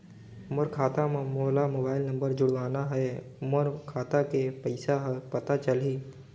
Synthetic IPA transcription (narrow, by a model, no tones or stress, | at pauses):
ʊməɾkʰaːt̪amẽmoːlamoːbaːɪlnɐ̃mbəɾd͡ʒʊɽʋaːnaɦɛʊməɾkʰaːt̪akepəɪsaɦpɐt̪at͡ʃɐliː